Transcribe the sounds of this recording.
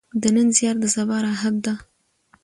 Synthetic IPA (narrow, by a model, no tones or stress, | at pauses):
d̪ənənzjɑɾd̪əsabɑɾaɦad̪d̪a